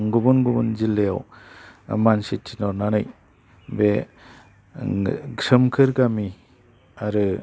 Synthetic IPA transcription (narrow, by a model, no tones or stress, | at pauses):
ŋɡubunɡubunzilːeaw | mansitʰinɔɾnanaj | be | ɡɾɯmkʰɯɾɡami | aɾɯ